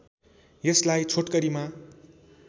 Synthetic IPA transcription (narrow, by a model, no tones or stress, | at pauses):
jeslajt͡sʰoʈkʌɾima